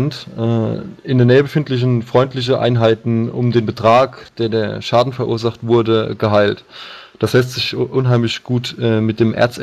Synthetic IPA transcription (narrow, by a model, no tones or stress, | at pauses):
ntʔɛːɪndeːnɛːəbəfɪntlɪç̬n̩fʁ̥ɔʏntlɪç̬əʔa̰ɪnɦaɪtn̩ʊ̰mdeːnbətʁ̥aːkd̥eːɐdeːɐʃaːdn̩fɛɐʔṵːɐzaχtv̥ʊɐdəɡ̥əɦaɪlt | d̥aslɛstz̥ɪçʔʊnɦaɪmlɪçɡ̥uːtɛmɪt̚d̥eːmʔḛɐt͡s